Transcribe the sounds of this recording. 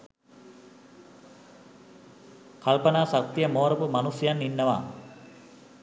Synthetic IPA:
kalpɐnaːsak̚t̪ijəmoːɾɐpumanusjjanːinːəʋa̰ː

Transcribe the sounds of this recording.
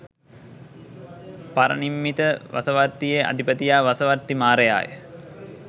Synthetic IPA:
paɾə̰nimːit̪əʋa̰səʋart̪ːijeʔa̰d̪ʱipət̪ijaːʋasəʋart̪imaːɾəja̰ːjə̰

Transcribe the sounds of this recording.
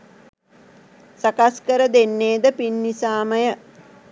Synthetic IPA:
sakaskəɾəd̪enːeːd̪əpinːisaːməjə

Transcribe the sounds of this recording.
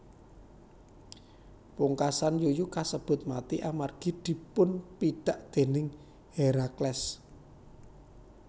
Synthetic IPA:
puŋkasanjojukasəb̥ʊ̤t̪̚mat̪iʔamarɡ̥i̤d̪̥i̤pʊnpiɖ̥a̤ʔd̪̥e̤nɪŋ | heɾaklɛs

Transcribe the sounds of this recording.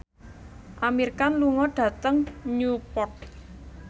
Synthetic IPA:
ʔamirkanluŋɔɖ̥ä̤t̪əŋɲupɔt̪̚

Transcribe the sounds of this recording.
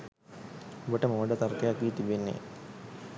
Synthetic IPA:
obəʈəmoʋəɖət̪aɾkəjakʋiːt̪ibenːḛ

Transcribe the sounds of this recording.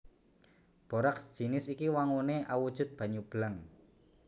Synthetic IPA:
b̥o̤ɾaksd̥ʒ̥i̤nɪsikiwaŋuneʔawud̥ʒ̥ʊ̤t̪̚b̥ä̤ɲub̥ləŋ

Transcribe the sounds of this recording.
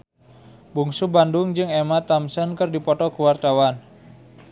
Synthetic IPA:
buŋsubandʊŋd͡ʒɨŋemat̪amsənkɨrdipɔt̪ɔkuwart̪awan

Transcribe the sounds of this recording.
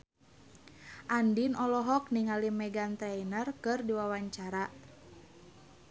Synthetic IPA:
ʔandinɔlɔɦɔk̚niŋalimɛɡant̪ɾɛjnərkɨrdiwawaɲt͡ʃaɾa

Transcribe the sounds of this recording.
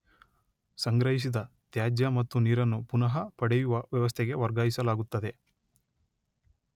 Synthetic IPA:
sɐŋɡɾɐɦis̬id̪ɐt̪jaːd͡ʒjɐmɐt̪ːuniːɾɐnːupunɐɦɐpɐɽejuʋɐʋjɐʋɐs̬t̪ʰeɛɡe̞ʋɐɾɡaːjisɐlaːɡut̪ːɐd̪e̞

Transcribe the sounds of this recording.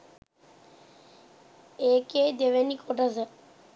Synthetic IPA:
eːkeːd̪eʋenikʰoʈəzə

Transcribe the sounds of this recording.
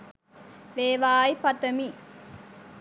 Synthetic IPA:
ʋeːʋaːjpɐt̪əmi

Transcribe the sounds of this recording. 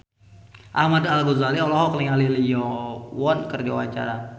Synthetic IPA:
ʔahmadalɡozaliɔlɔɦɔkəliŋalilijɔwɔnkərd͡ʒawa̰t͡ʃa̰ɾa

